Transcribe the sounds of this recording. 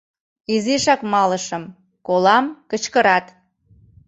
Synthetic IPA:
iziʃɑkmɑləʃə̆m | kolɑmkət͡ɕkəɾɑt̪

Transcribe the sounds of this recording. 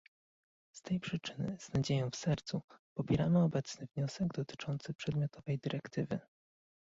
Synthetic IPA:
st̪ɛjpʂɘt͡ʂɘnɘ̰z̥nad͡ʑejɔ̃w̃fsɛɾt̪supɔpʲjɛɾamɘɔbɛt̪snɘvɲɔsɛɡd̪ɔt̪ɘ̥t͡ʂɔnt̪sɘpʂɛd̪mʲjɔt̪ʰɔvɛjd̪ɘɾʔɛkt̪ʰɘvɘ̰

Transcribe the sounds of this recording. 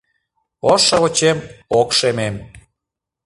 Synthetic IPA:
oʃəβot͡ɕemokʃemem

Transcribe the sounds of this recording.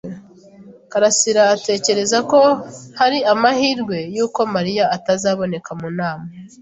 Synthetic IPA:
kaɾasiɾaːte̞ːce̞ɾe̞zako̞haɾiamahiːɾɡwe̞juːko̞maɾijaːtazaːβo̞ne̞kamunaːme

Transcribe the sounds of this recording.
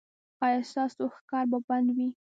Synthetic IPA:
ɑjɑst̪ɑsoxkɑɾbaband̪wi

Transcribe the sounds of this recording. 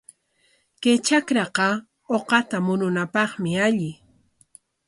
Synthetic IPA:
ket͡ʃakɾɑqɑ | oqɑt̪amʊnʊnapɑχmɪaʎɪ

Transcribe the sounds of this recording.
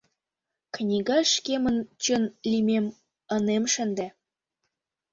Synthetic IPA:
knʲiɡɑʃkemə̆nt͡ɕə̆nlʲimem | ə̆nemʃə̆nd̪æ

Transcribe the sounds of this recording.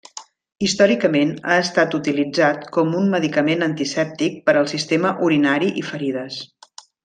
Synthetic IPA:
ist̪ɔɾikəmena̰əst̪at̪ut̪ilid͡zat̪kɔmunməðikəmenənt̪isɛp̚t̪ik̚pəɾəlˠsist̪eməʔuɾinaɾiʔifəɾiðəs

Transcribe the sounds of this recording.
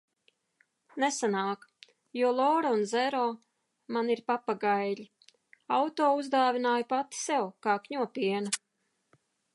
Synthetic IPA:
nesanaːk | juɔlˠɔːɾaunzɛɾɔː | maniɾpapaɡajli | awt̪ɔːuzd̪aːvʲinaːjpat̪i̥sɛwkaːkɲuɔpʲiɛna

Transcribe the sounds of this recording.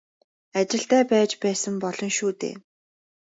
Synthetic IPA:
at͡ɕɪ̆ɬt̪æːpæːt͡ɕpæːsə̆mpɔɮɞ̆nʃuːt̪ḛː

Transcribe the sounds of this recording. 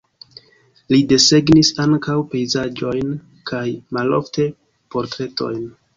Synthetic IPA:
lide̞se̞ɡnisaŋkawpe̞jzad͡ʒo̞jn | kʰajmalo̰fte̞ | po̞ɾtɾe̞to̞̰jn

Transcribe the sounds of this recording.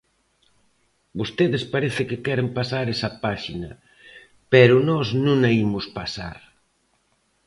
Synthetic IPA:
bost̪eðɪspaɾeθɪkɪkɛɾempasaɾɛsɐpaʃinɐ | pɛɾʊnɔznũnɐimʊspasa̰ɾ

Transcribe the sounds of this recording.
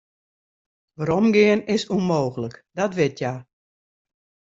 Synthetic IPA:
ʋaɾɔmɡɪənɪsunmoːɣələkdɔtʋɪtʰja

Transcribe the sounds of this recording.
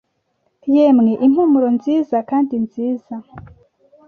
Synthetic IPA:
jemŋe̞ʔim̥humuɾo̞nziːzakaːndinziːz̥a

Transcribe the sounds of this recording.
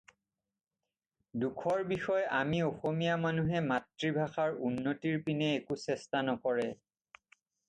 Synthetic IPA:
dukʰɔɹbixɔjamiɔxomijamanuɦɛmatɹibʱaxaɹunːotiɹpinɛːkusɛstanɔkɔɹɛ

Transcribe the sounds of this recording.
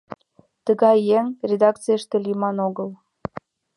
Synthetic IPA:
t̪əɣɑjːeŋrʲed̪ɑkt͡sijəʃt̪elimɑnoɣəl

